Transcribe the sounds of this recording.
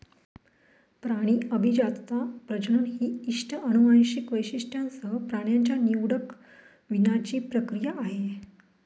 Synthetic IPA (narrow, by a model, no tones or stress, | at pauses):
pɾaɽ̃iːəbʱid͡ʑat͡st̪apɾəd͡ʑəɳɦiːiʂʈʰəənuʋajɕikʋəjɕiʂʈʰjãnsəɦəpɾaɽ̃jaɲt͡ɕjaniwɽək | ʋinat͡ɕiːpɾəkɾijaʔːɦe